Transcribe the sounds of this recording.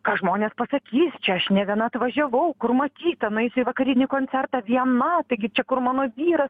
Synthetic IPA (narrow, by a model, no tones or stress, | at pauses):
kɑːʒmoːnʲeːspɐsɐkʲiːsʲt͡ʃʲɛɐʃnʲɛʋʲiɛnɐɐt̪ʋɐʒʲɛʋɐʊkʊrmɐt̪ʲiːt̪ɐnɐɪsʊɪʋɐkɐɾʲɪnʲikoːnʲt͡s̪ʲɛrt̪ɑːʋʲiɛnɐt̪ɐɪɡʲɪt͡ʃʲɛkʊrmɑːnoːʋʲiːɾɐs